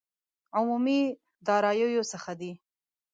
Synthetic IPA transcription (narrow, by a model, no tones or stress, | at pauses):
ʕʊmumi | d̪ɑɾɑjojosəxad̪i